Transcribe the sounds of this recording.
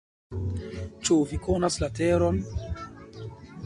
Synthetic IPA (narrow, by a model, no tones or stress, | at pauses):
t͡ʃuvikʰonaslateɾon